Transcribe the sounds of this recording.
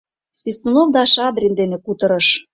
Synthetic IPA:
svʲist̪unovd̪ɑʃɑd̪ɾʲind̪enekut̪ɤ̆ɾɤ̆ʃ

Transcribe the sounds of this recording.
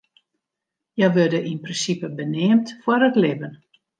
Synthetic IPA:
jɛʋødəʔinprinsipəbənɪːmtfwɔɾətlɪbən

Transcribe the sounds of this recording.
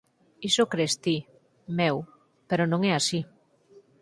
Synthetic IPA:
isokɾest̪i | mew | peɾonõŋɛasi

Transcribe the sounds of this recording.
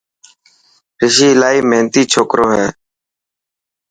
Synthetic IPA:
ɾɪʃiːlaːiːmɛːnt̪iːt͡ʃʰoːkɾoːɦɛː

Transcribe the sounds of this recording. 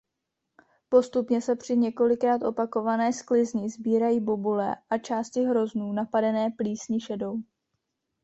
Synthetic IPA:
po̞st̪upɲɛsɛpr̝̥ɪɲɛko̞lɪkɾaːt̪ʔo̞pako̞vanɛːsklɪzɲɪzbiːɾajiːbobulɛ̰ʔat͡ʃaːscɪɦɾo̞znuːnapadɛnɛːpliːsɲɪʃɛdo̞w

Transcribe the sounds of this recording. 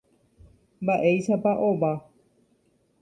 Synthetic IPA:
mbaʔejʃapaʔoʋa

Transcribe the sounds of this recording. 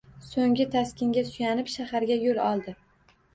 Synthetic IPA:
soŋɡʲɪt̪ʰaskʲʰɪŋɡʲasʊjanɪpʃahaɾɡʲajolɒlˠd̪ɪ

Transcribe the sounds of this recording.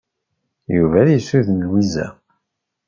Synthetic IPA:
juvæjisuðnəlwizæ̰

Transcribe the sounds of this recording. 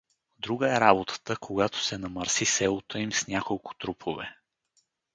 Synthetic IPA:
d̪ɾuɡəɛɾabot̪ʰə̥t̪əkʰoɡat̪o̥sɛnɐməɾsisɛlˠot̪ʰəimsnʲakolˠkʊ̥t̪ɾupʰovɛ̰

